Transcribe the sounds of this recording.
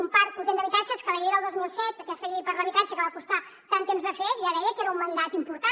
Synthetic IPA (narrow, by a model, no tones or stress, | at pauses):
umpaɾunt̪end̪əβit̪at͡ʃəskəβəʎejðəlˠd̪ozmilˠsɛt̪əkɛst̪əʎejpaɾlˠəβit̪at͡ʃəkəβakust̪a | t̪ant̪emzðəfeɾʒaðɛjəkeɾəumːənd̪at̪impuɾt̪a